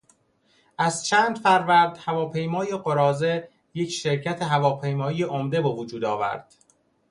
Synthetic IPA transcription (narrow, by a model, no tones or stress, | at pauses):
ʔæzt͡ʃʰæːnd̪fæɾvæɾd̪̥hævɒːpʰe̞jmɒːjeɢoɾɒːze̞ | je̞cʰʃeɾcʰæt̪ʰeɦævɒːpʰe̞jmɒːijeʔomd̪e̞bevod͡ʒuːd̪ɒːvæ̰ɾd̪̥